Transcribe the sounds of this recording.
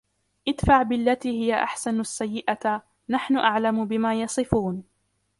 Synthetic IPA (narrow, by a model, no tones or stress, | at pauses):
ʔɪd̪faʕbɪalːat̪iːhɪjaʔa̰ħsanasːajːɪʔa | naħnʊʔaʕlamʊbɪmaːjɑsˤɨfuːn